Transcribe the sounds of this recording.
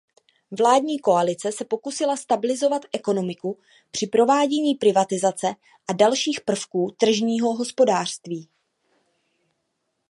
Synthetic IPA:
vlaːdɲiːko̞alɪt͡sɛsɛpo̞kusɪlast̪abɪlɪzo̞vat̪ʔɛko̞no̞mɪku | pr̝̥ɪpɾo̞vaːɟɛɲiːpɾɪvat̪ɪzat͡sɛ | ʔadalʃiːxpr̩fkuːt̪r̩ʒɲiːɦo̞ɦo̞spo̞daːr̝̥st̪viː

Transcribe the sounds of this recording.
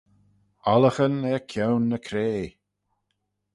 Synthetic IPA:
ɔləxənɛkʰjɛwnːəkʰɾeː

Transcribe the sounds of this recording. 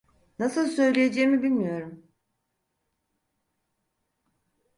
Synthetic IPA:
nasɯlˠsø̞jlʲejed͡ʒɛjmibilʲmijo̞ɾum

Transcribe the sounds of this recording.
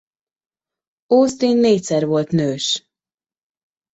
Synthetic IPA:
oːst̪iːnːeːcʲsɛrvo̞lt̪nøːʃ

